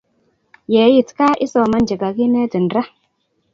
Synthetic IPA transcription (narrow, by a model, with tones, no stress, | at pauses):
je˨˦ji˦˨tka˦ʔi˦so˨ma˦nd͡ʒə˨ɡa˨ki˦ne˦di˨nɾa˦